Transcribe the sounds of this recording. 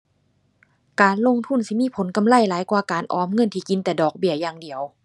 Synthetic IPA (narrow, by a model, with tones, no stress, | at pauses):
kaː˨nlo˧˥˨ŋt̪ʰu˧˥˨nsi˧˦miː˧˥˨pʰo˨˦nka˨˧˨mla˧˥˨jlaː˨˦jkwaː˧˩kaː˨nʔɔː˨˧˩mŋɤ˧˥˨nt̪ʰiː˧˩ki˨˦nt̪ɛː˨˧˦dɔː˨˩k̚bi˧˩ɐjaː˧ŋdi˨əw